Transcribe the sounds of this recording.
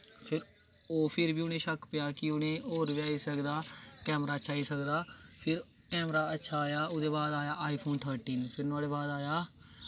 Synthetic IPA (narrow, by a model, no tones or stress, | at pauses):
pʰɪɾ | oːpʰɪɾbiːʊnẽːʃəkpɪjaːkɪʊnẽːoːɾʋjaːiːsəkd̪aːkɛːmɾaːət͡ʃʰaːiːsəkd̪aːpʰɪɾ | kɛːmɾaːətːʃʰaːjaːʊd̪eːbaːd̪aːjaːʔaːiːpʰoːnt̪ʰəːɾʈiːnpʰɪɾnʊaːɽeːbaːd̪aːjaː